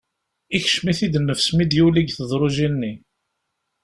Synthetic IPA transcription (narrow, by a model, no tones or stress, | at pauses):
içʃmiθid̪nːəfsmid̪juliɡθəðˤɾˤoʒinːi